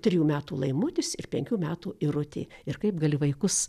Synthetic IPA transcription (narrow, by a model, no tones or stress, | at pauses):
t̪ʲɾʲɪjuːmʲæːt̪uːlˠɐɪmʊt̪ʲɪsɪrpʲɛŋʲkʲuːmʲæːt̪uːɪɾʊt̪ʲḛːɪrkɐɪpɡɐlʲɪʋɐɪkʊs